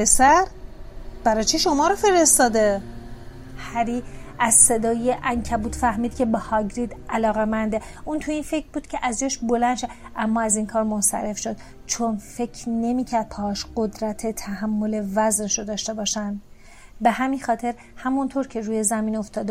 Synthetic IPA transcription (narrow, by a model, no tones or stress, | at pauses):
esæɾ | b̥æɾɒːt͡ʃʰiʃo̞mɒːɾofe̞ɾest̪ɒːd̪e | hæɾiæzse̞d̪ɒːjeʔæŋcʰæbuːt̪fæhmiːd̪̥̚cʰe̞behɒɟɾiːd̪ælɒːɣe̞mænd̪e̞unt̪ʰuiːnfe̞cʰɾbuːd̪cʰʲe̞ʔæzd͡ʒɒːʃbolænd̪ʃeʔæmːɒːæziːnkʰɒːɾmonsæ̰ɾe̞fʃod̪̥ | t͡ʃʰonfe̞kʰne̞miːcʰæɾd̪̚pʰɒhːʃɢ̥od̪ɾæt̪ʰe̞t̪ʰæhæmːole̞væzneʃod̪ɒːʃt̪e̞bɒːʃænd̪ | be̞hæminxɒːt̪ʰe̞ɾ | hæmunt̪ʰoɾcʰe̞ruːjezæmiːno̞ft̪ɒːd̪